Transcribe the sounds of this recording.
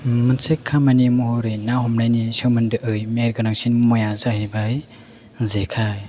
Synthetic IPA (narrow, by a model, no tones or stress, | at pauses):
mɯnsekʰːamanimuɦoɾɯjnahɔmlajnisɯwmɯndɯʔɯjmeɾɡɯnaŋsinmɔjazahibaj | zekʰaj